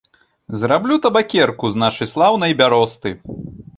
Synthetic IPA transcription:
zrablʲut̪ɐbakʲɛrkuznaʂɨjslˠawn̪ɐjbʲaɾɔst̪ɨ

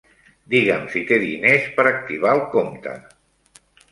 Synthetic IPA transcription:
d̪iɣəmsit̪eðḭnespəɾək̚t̪iβ̞alˠkomt̪ə̰

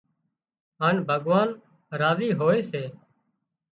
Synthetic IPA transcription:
ɦaːɳbʱəɠʋaːn | ɾaːziːɦoːeːseː

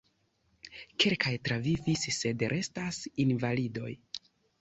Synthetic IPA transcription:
kʰe̞lkʰajtɾavivisːe̞dɾʔe̞stasinvalido̞j

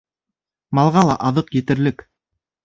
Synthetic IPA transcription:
mɑlˠʁɑlˠɑ̰ʔɑðɤqjet̪ɘ̆ɾlɘk

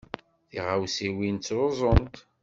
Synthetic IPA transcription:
θiʁawsiwint͡sːɾozˤont̪

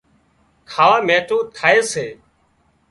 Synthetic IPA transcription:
kʰaːʋaːmeːʈoːt̪ʰaːeːseː

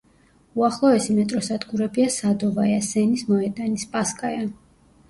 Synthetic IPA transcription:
uaχlˠɔɛsimɛt̪ʼɾɔsad̪ɡuɾɛbiasad̪ɔvajasɛnismɔɛd̪ʼanispʼaskʼaja

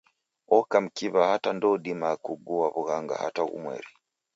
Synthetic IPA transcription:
ɔkam̩kiβahatandɔdimakuɡuaβuɣaŋɡa̰ha̰taɣṵmwɛ̰ɾi

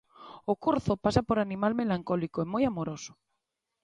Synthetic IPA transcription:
okuɾθopasapoɾanimalmelaŋkɔlikoɛmojamoɾosʊ̥

